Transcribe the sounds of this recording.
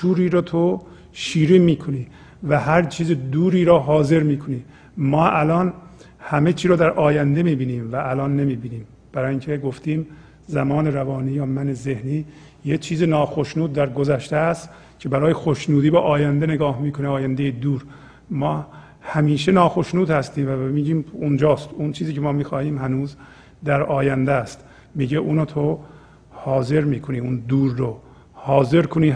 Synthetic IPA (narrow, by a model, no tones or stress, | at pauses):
ʃuːɾiːɾɒːt̪ʰo | ʃiːɾiːmiːkʰoniː | væɦæɾt͡ʃʰiːzed̪uːɾiːɾɒːɦɒːze̞ɾmiːkʰoniː | mɒːʔælɒːnhæme̞t͡ʃʰiːɾɒːd̪æɾʔɒːjænd̪e̞miːbiːniːmvæʔːlɒːnːemiːbiːniːm | b̥æɾɒːjiŋcʰeɡoft̪iːm | zæmɒːneɾævɒːniːjɒːmæneze̞hniː | jet͡ʃʰiːzenɒːxoʃnuːd̪̚ːæɾɡozæʃt̪eæst̪ | cʰe̞bæɾɒːjexoʃnuːd̪iːbæʔɒːjænd̪eneɡɒːhmiːkʰoneɒːjænd̪ejed̪uːɾ | mɒː | hæmiːʃenɒːxoʃnuːd̪hæst̪iːmvæmiːɟiːmund͡ʒɒːst̪unt͡ʃʰiːziːkcʰemɒːmiːxɒːhiːmhænuːz | d̪æɾɒːjænd̪æst̪ | miːɟeʔuːnoːt̪ʰo | hɒːze̞ɾmiːkʰoniːund̪uːɾːo | hɒːze̞ɾkʰoniː